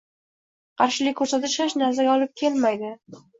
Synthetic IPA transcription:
qʰɑɾʃɪlɪkʲkʰːɵɾsat̪ɪʃaʃnazaɡʲɒlˠɪp̚kʲʰe̞lmajd̪ɪ

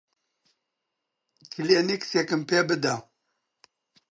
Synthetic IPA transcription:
kʰileniksekɨmpebɨd̪a

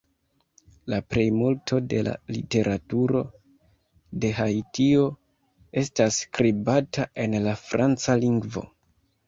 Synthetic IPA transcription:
lapɾe̞jmultʰo̞de̞la̰lḭte̞ɾʔatuɾo̞ | de̞ɦajtio̞ | e̞staskɾibataʔe̞nlafɾant͡saliŋɡvo̞̰

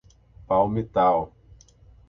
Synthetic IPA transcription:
pawmit̪aw

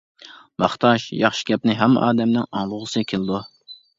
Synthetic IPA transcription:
mɑχt̪ʰɑʃjɑχʃi̥ɡʲɛpnɪɦɛm̰ːʔɑːd̪ɛmnɪŋɑŋlˠʊʁəsɨkʲʰelˠɨd̪u

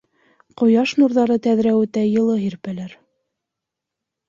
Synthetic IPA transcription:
qŏjɑʃnuɾðɑɾɤt̪æðɾæwɘt̪æjɤ̆lˠɤɦiɾpælæɾ

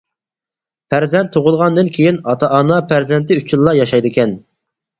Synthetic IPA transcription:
pʰæɾzɛnt̪ʰːoʁʊlˠʁɑnd̪ɨnkʲʰejinɑt̪ʰɑʔɑnɑpæɾzɛnt̪ʰɪyt͡ʃʰilˠːɑjɑʃɑjd̪ɪkʲɛn

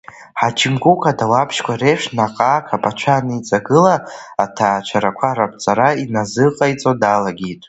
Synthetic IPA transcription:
ħat͡ʃʰimɡʷukʰadawapʰʃkʷareʂnaqʼaːkʰapʼat͡ʃʷʰanɨit͡sʼaɡɨlaːtʰaːt͡ʃʷʰaɾakʷʰaɾapʰʼt͡sʼaɾainazɨqʼajt͡sʼodalaɡʲitʼ

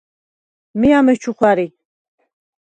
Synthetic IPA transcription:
miamɛt͡ʃʰuχwaɾi

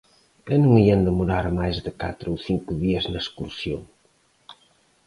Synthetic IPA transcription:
ɛnũŋiɐnd̪emuɾaɾmajzðɪka̰t̪ɾowθiŋkʊðiɐznɐeskuɾsjo̰ŋ

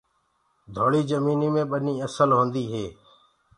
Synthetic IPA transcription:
d̪ʱoːɽiːzəmiːniːmẽːɓənĩːəsəlɦõːnd̪iːɦeː

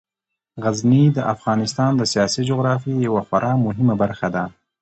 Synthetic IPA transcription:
ɣaznid̪əʔafɣɑnɪst̪ɑnd̪əsijɑsid͡ʒoɣɾɑfijawaxaɾʔɑmʊɦɪmabaɾxad̪a

